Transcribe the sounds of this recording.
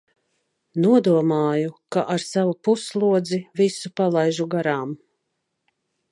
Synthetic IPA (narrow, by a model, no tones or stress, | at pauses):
nuɔd̪uɔmaːjukaʔaɾsavupuslˠuɔd̪zivisupalˠajʒuɡaɾaːm